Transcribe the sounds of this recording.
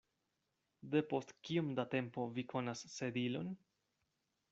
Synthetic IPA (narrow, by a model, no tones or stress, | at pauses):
d̪e̞po̞stkiumd̪ate̞mpo̞vikʰo̞nasːe̞d̪ilo̞n